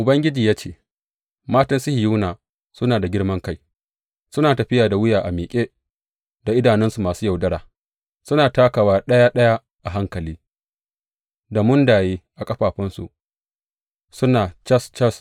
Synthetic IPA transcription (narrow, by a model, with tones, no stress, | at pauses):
ʔʊ˨bɐ˦ŋɡʲɪ˦d͡ʒiː˨jaː˦t͡ʃeː˦˨ | maː˦tɐ˦nsɪ˦hi˨ju˦naː˨ | sʊ˦naː˨da˨ɡʲɪ˦ɽmɐ˦ŋka˦j | sʊ˦naː˨tɐ˨ɸɪ˦jaː˨da˨wʊ˦jaː˨ʔa˨miː˨kʲʼeː˦ | da˨ʔɪ˦daː˨nɛ˦nsu˨maː˨suː˦ja˨wdɐ˦ɽaː˨ | sʊ˦naː˨taː˦ka˨waː˦˨ɗɐ˦ja˦ɗɐ˦ja˦ | ʔa˨ɦa˦ŋkɐ˨liː˦ | da˨mʊ˦ndaː˨jeː˦ʔa˨kʼɐ˦ɸaː˨ɸɪ˦nsṵ˨ | sʊ˦naː˨t͡ʃɐ˦st͡ʃɐ˦s